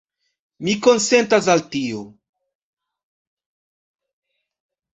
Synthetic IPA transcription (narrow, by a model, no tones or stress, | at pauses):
mikonsentas̬altio